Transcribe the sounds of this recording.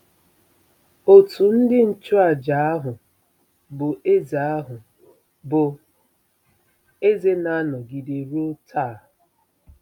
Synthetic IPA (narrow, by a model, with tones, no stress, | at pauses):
o˨tu˨n̩˦dɪ˦n̩˨t͡ʃʊ˦a˨d͡ʒa˨˦a˦ɦʊ˨ | bʊ˨ʔe˦za˨a˦ɦʊ˨ | bʊ˨ | e˦ze˦na˦nɔ˨ɡi˨de˨ɾo˦tʰa˦˨